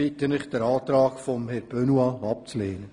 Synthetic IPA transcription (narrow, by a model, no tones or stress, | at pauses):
itənɪχd̥ɛɾɑːtɾɑːkfɔmhɛɾb̥ønuɑɑp̚t͡sleːnə